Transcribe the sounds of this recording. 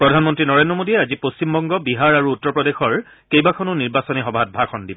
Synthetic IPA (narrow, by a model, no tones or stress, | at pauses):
pɹɔdʱanmɔntɹinɔɹendɹɔmodiɛazipost͡ɕimbɔŋɡɔbiɦaɹaɹuːtːɔpɹɔdexɔɹ | kejbakʰɔnʊniɹbasɔniɦɔbʱat̚bʱakʰɔndibɔ